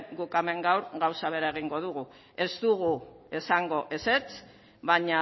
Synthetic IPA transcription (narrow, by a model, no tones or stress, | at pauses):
ɡukame̞ŋɡawɾɣawsaβ̞e̞ɾae̞ɣ̞iŋɡo̞ðuɣu | e̞zt̪uɣue̞saŋɡo̞ʔe̞se̞t͡s | βaɲa